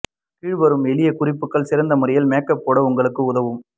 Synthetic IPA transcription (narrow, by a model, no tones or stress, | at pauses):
kiːɻʋɐɾɯmɛɭɪjɐkʊrɪpːɯkːɐɭsɪɾɐnd̪ɐmʊrɐjɪlmeːkːɐpːoːɽɐʊŋɡɐɭɯkːɯʊðɐʋɯm